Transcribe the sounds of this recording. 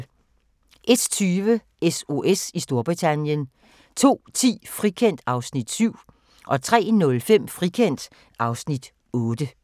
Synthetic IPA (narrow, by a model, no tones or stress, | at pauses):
ʔe̝d̥t͡sʰyːʋə | eso̝ʔesisd̥o̝ɐb̥ʁit͡sʰænjən | t͡sʰo̝̰ːt͡sʰḭːfʁikʰen̰d̥ɑ̈ʊsnid̥syʊ̰ | ʔɒ̽t͡sʰʁɛ̰ːnɔ̽lfem̰fʁikʰen̰d̥ | ɑ̈ʊsnid̥ | ɔ̽ːd̥ə